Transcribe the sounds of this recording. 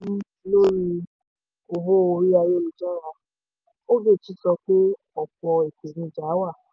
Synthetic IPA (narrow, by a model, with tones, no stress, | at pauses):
lo˦ɾi˧ | o˨bo˦o˧ɾi˦a˧je˦lu˨d͡ʒa˦˨wa˦˨ | o˦ɡe˦˨ti˨˦sɔ˧k͡pe˦ | ɔ˦˨k͡pɔ˧e˨ke˨nĩ˧d͡ʒa˨˦wa˦˨